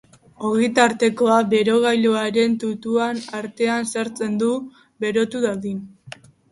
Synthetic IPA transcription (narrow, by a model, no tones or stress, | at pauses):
o̞ɣijt̪aɾt̪e̞ko̞aβe̞ɾo̞ɣ̞ajʎoaɾe̞nt̪ut̪uanaɾt̪e̞ansaɾt͡se̞nd̪u | be̞ɾo̞t̪uðaðin